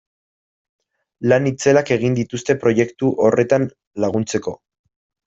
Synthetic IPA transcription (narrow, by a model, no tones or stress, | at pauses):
lanit͡se̞lake̞ɣ̞ind̪it̪ust̪e̞pɾo̞je̞kt̪uʔo̞re̞t̪an | laɣ̞unt͡se̞ko̞